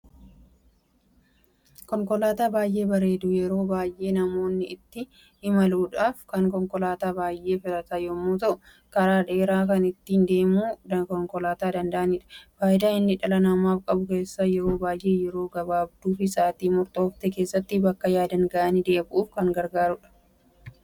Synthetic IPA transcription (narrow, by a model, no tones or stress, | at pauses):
kɔŋkɔlaːt̪aːbaːjʔe̞ːbɐɾe̞ːd̪ujɛɾo̞ːbaːjʔe̞ːnɐmo̞ːnːɪʔɪt̪ːɪ | hɪmɐluːᶑaːfkɐŋkɔŋkɔlaːt̪aːbaːjʔːe̞ːfɪlɐt̪ɐjɔmːuːt̪ɐʔʊ | kɐɾaːᶑe̞ːɾaːkɐnɪt̪ːiːnd̪e̞ːmuːd̪ɐkɔŋkɔlaːt̪aːd̪ɐnd̪ɐʔɐniːᶑɐ̥faːjd̪aːɪnːɪᶑɐlɐnɐmaːfkʼɐbʊke̞ːsːajɛɾo̞ːbaːjʔe̞ːjɛɾo̞ːɡɐbaːbd̪uːfɪsaːt̪iːmʊɾt̪ʼo̞ːft̪ɛke̞ːsːɐt̪ːɪbɐkːɐjaːd̪ɐŋɡɐʔɐnid̪e̞ːbʔuːfkɐŋɡɐɾɡaːɾʊᶑɐ̥